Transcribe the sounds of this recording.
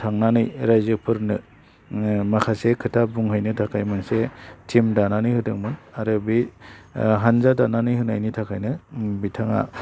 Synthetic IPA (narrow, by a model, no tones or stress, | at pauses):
tʰaŋnanɯjɾajzɯpʰɯɾnɯ | makʰasekʰɯtʰabuŋɦɯjnɯtʰakʰajmansetʰimdananɯjhɯdɯŋmɯnaɾɯbi | ɦanzadananɯjhɯnajnitʰakʰajnɯbitʰaŋa̰